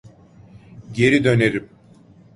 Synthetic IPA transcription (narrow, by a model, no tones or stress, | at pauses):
ɟe̞ɾid̪ø̞ne̞ɾim